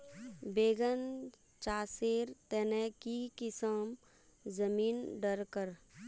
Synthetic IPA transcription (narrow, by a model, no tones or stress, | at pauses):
beːɡən | t͡ʃaːseːɾt̪ɛnɛkikɪsəm | zəmiːnɖəɾkəɾ